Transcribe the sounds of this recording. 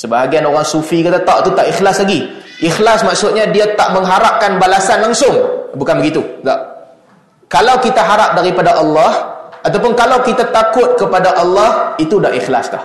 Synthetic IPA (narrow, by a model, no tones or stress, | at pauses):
səbaɦaɡianoɾaŋsufikat̪at̪aʔt̪ut̪aʔixlaslaɡi | ʔixlasmaksʊt̪̚ɲãdiat̪aʔmə̃ŋɦaɾap̚kanbalasanlaŋsʊŋbukanbəɡit̪ud̪a̰ʔ | kalawkit̪aɦaɾap̚daɾipadaʔɑlːɑhat̪awpʊnkalawkit̪at̪akʊt̪̚kəpadaʔɑlːɑhit̪udaʔixla̰st̪a̰h